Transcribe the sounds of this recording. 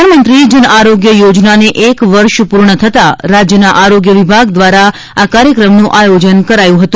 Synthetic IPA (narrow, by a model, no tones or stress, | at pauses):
nmənt̪ɾid͡ʒənaɾoɡjəjod͡ʒnaneʔekʋəɾʃpuɾɳət̪ʰət̪aɾad͡ʒjənaʔaɾoɡjəʋibʱaɡd̪ʋaɾa | akaɾjəkɾəmnũʔajod͡ʒənkəɾajũɦət̪ũ